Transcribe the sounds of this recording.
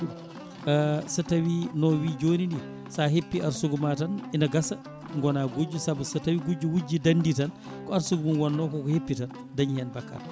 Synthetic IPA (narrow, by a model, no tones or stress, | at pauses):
sɐtɐwinɔwiːɟoːnindi | saːɦepːiʔɐɾsuɡumatɐninɐɡɐsɐ | ŋɡɔnaːɡud͡ʒːusɐbusɐtɐwiɡuɟuwuɟidɐnditɐn | kɔɐɾsuɡumunwanːɔkɔkɔhepːitɐn | dɐɲhɛnbɐkːa̰ɾ